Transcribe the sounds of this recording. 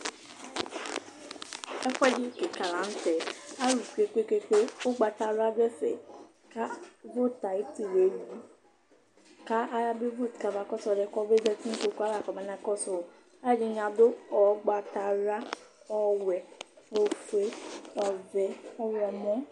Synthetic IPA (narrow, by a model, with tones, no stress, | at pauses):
ɛ˦fɛ˦˨di˦ke˨ka˨lã˨˦n̩˦tɛ˨a˦ɾu˨ke˧k͡pe˧ke˧k͡pe˦o˦ɡ͡ba˧ta˧ɾa˦dɛ˦fɛ˨ | ka˦vo˦˨ta˨i˨˦ti˦˨le˨˦ju˨˦ | ka˦a˦ja˦be˦vo˦˨tka˨˧ma˧˦kɔ˦sɔ˧dɛ˧kɔ˦be˦zɛ˧tĩ˦ko˧ko˧˦a˦la˦˨kɔ˨mã˨˧˦nã˦˧˦kɔ˦˨sɔ˨ | a˦ɛ˦˨di˧˦j̃a˧do˦ɔ˨ɡ͡ba˧ta˧ɾa˦ | ɔ˧wɛ˨o˧fe˦ɔ˧vɛ˨˦ɔ˧wɛ˧mɔ̃˦